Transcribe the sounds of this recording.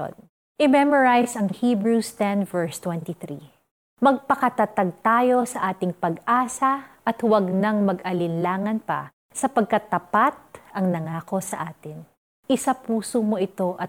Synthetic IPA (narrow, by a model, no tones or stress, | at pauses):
n | ʔɪmɛmoɹajsɐŋhiːbɹust̪ɛnvɛɹst̪wɛnt̪iθɾḭ | mɐɡ̚pɐkɐt̪ɐt̪aɡ̚t̪aːjo̞sɐʔaːt̪ɪŋpɐɡʔaːsɐʔɐt̪wɐɡnɐŋmɐɡʔɐlɪnlaːŋɐnpɐ̰ | sɐpɐɡ̚kɐt̪ːɐpat̪̚ʔɐŋnɐŋaːko̞sɐʔaːt̪ɪn | ɪsapuːsomo̞ʔɪt̪o̞ʔɐ